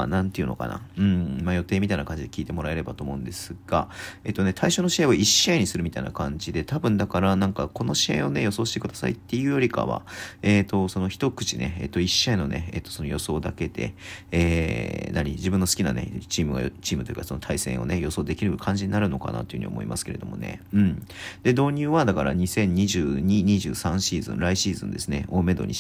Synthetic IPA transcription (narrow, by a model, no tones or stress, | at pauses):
anãnt̪eɯ̟no̞̰ka̰na̰ɯ̟̃ɴmajo̞t̪e̞ːmʲit̪ainakãɲd͡ʑid̪e̞kʲiːt̪e̞mo̞ɾae̞ɾe̞bat̪oːmo̞ɯ̟nd̪e̞sɨɡ̥ae̞ːt̪ːo̞ne̞t̪ʰaiɕoːno̞ɕiaoiɕːaiɲ̟isɨɾɯ̟mʲit̪aḭna̰kãɲd͡ʑid̪e̞t̪ʰabɯ̟̃nd̪akaɾanãŋkako̞no̞ɕiã̰o̞ne̞jo̞soːɕi̥t̪ekɯ̟d̪asa̰it̪ːe̞jɯ̟jo̞ɾʲika̰βa̰e̞ːt̪o̞so̞noçi̥t̪o̞kɯ̟̥t͡ɕineḛːt̪ːoiɕːaino̞ne̞̰ḛːt̪ːo̞so̞no̞jo̞so̞ːd̪ake̞d̪e̞̰eːnaɲ̟ḭd͡ʑibɯ̟̃nːosɨ̥kʲinane̞̰t͡ɕiːmɯ̟ɡa̰t͡ɕiːmɯ̟t̪oj̰ḭːkaso̞no̞t̪ʰaisẽ̞o̞̰ne̞jo̞so̞ːd̪e̞kʲiɾɯ̟kʰãɲ̟d͡ʑiɲnaɾɯ̟no̞ka̰na̰t̪o̞jiɯ̟ɲiomo̞̰ḭma̰sɨ̥ke̞ɾe̞d̪o̞̰mo̞̰ne̞̰ɯ̟̃ɴd̪̥e̞d̪o̞ːɲ̟ʲɨːβad̪akaɾa̰ɲ̟isẽ̞ɲ̟ɲiʑɨːɲ̟iɲ̟iʑɨ̰ːsãɰ̃ɕiːzɨ̰̃nɾaiɕiːzɨ̰̃nd̪e̞sɨne̞̰o̞ːme̞d̪o̞̰ɲʲi